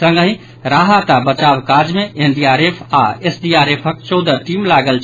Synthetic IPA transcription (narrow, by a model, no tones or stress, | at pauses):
əŋɡəɦĩ | ɾaɦat̪abət͡ʃabkad͡ʒmeʔenɖiaɾepʰaesɖiaɾepʰək̚t͡ʃɔwd̪əʈimlaɡəlt͡ʃʰ